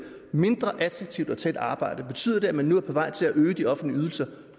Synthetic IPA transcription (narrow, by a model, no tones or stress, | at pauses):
me̝nd̥ʁɐʔæt͡sʰʁɑ̈ɡ̥̚t͡sʰiʊd̥ɒ̽t͡sʰæed̥ɑ̈ːb̥ɑ̈ɪ̰d̥əb̥e̝t͡sʰy̰ð̰ˠɐd̥e̝æmænːuæɐpʰɒ̽ʋɑ̈ɪ̰t͡sʰe̝læʔøːd̥iɒ̽fn̩dliyːð̞ˠl̩sɐ